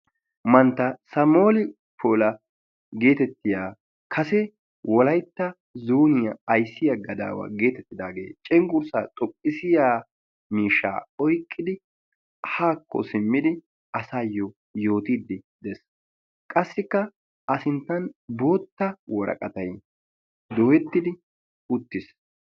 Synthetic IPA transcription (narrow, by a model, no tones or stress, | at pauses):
mɐnt̪ːɐsɐmoːlɪ | pʰoːlɐ | ɡe̞ːt̪ɛt̪ːɪjaː | kʰɐsɛ | wɔlɐjt̪ːɐ | zuːnɪjɐːjsːɪjɐɡɐd̪a̰ːwɐ̰ɡe̞ːt̪ɛt̪ːɪd̪aːɡe̞̰ːt͡ʃʼɛŋkʼʊɾsat̪ʼɔpʼːɪsɪjaː | miːʃːa̰ːɔjkʼːɪd̪ɪ | haːkːɔ̰sɪmːɪd̪ɪ | ɐsaːjːɔ | jo̞ːt̪iːd̪ɪd̪ɛs | kʼɐsːɪkːɐ | ʔɐsɪnt̪ːɐnbo̞ːt̪ːɐwɔɾɐ̰kʼɐt̪ɐj | d̪owɛt̪ːɪd̪ɪ | ʊt̪ːɪs